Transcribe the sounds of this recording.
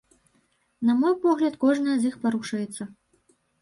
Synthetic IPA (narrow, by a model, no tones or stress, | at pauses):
nɐmɔjpɔɣlʲɐt̪kɔʐnɐjɐzʲixpaɾuʂɐjɛt̪sːɐ